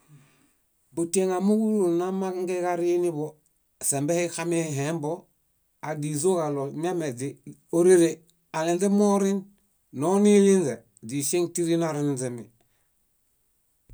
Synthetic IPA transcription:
buteŋamuɡuɾunamakŋɡekaɾinibo | sembehixameɦembo | adizokalomamezioɾeɾe | alinzemoɾin | nonilinze | disiŋtiɾinaɾinnzemi

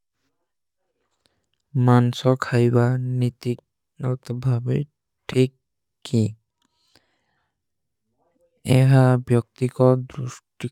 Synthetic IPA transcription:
mansɔkʰajbanit̪ik̚ | ɔt̪ɔbʱabi | ʈʰikː | i | ɛɦabjɔk̚t̪ikɔd̪ɾusʈi

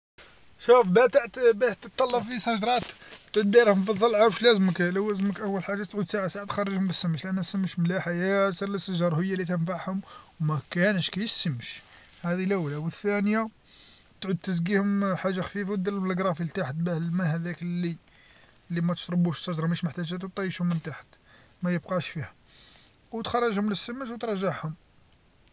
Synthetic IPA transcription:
ʃufbæt̪aʕt̪bæt̪ːət̪ˤːɑlːɑbfisˤɑʒɾˤɑt̪t̪ʕud̪̚biɾhʊmfiðˤːɑlʕawʃlæzəməkləwːæzəməkʔæwːəlħaʒːat̪ʕud̪saʕasaʕat̪xɑrˤːəʒhʊmbəsːəmːəʃlʔænːhæsəmːəʃmlæħajæsələsːəʒɑɾˤhʊjːalit̪ənfaʕhʊmwmækænəʃkæjəsːəmːʃ | hæd̪ilʔæwlæwəθːænja | t̪ʕud̪̚t̪ːəzɡihʊmħaʒːaxfifawd̪ələlbləɡɾˤɑfilt̪aħət̪̚bæhlmæhæd̪æklːi | lːimæt̪ə̥ʃt̪ˤɾˤəbuʃsˤɑʒɾˤɑməʃməħt̪æʒæt̪wt̪ːˤɑjəʃhʊmːənt̪aħə̥t̪ | mæjəb̚qɑʃfihæ | wt̪xɑrˤːɑʒhʊmləsːəməʃ̬wt̪ɾˤɑʒːaʕhʊm

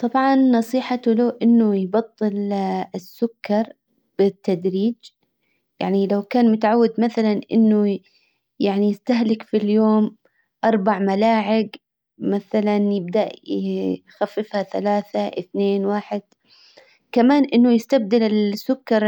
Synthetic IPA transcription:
t̪ˤɑbʕɑnːɑsˤiːħat̪ʊloːʔɪnːʊjbɑt̪ˤːɨlɪsːʊkːɑɾˤ | b̥ɪt̪ːad̪ɾiːd͡ʒ | ja̰ʕnilawkaːnmʊt̪aʕawːɪd̪maθalanʔɪ̰nːʊ | jaʕnijɪst̪aɦlɪkfiljoːm | ʔɑɾˤbaʕmalaːʕɪɡ | maθalanjɪb̚d̪aʔjxafːɪfhaθalaːθaʔɪ̰θneːnwaːħɪd̪̥̚ | kamaːnʔɪnːʊjɪst̪ab̚d̪ɪlɪlsːʊkːɑɾˤ

